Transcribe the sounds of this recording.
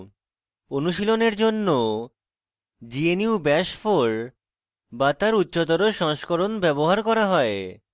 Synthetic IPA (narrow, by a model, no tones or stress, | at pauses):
onuʃiloneɾd͡ʑonːo | d͡ʑieniubɛʃfoɾ | bat̪aɾutːɕot̪̬oɾoʃɔŋʃkoɾonbɛboɦaɾkɔɾaɦɔe